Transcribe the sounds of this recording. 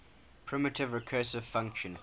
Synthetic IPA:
pʰɹ̥ɪmɪtʰɪvɹɪkʰɜːsəv̥fãŋkʃə̃n

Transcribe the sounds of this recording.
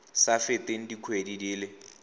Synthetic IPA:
safɪteŋ̩dikʰwedidiːle

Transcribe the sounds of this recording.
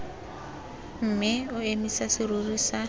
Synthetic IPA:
m̩mɪʊemisasɪrurisa

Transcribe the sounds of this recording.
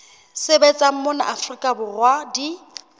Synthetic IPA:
sɪbɛt͡sʼam̩mʊna̰ʔafrikʼabʊrwadi

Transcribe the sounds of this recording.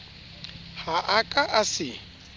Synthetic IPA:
haʔakʼaʔasɪ

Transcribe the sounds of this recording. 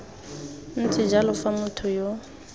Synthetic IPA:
n̩t͡sʰɪd͡ʒalʊfamʊtʰɔjo

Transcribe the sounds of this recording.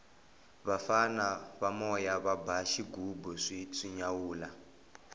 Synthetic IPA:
βafanaβamɔjaβabaʃiɡubɔʂiʂiɲawuːla

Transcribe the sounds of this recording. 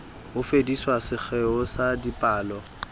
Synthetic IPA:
hʊfediswasɪk͡xʰɛʊsadipʼaːlɔ

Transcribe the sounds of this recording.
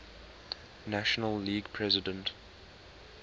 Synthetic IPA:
naʃənəlːiːɡpʰɹɛzɪdə̃nt

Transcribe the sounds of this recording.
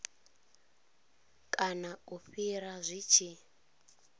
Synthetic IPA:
kʼanauɸiɾazʷit͡ʃʰi

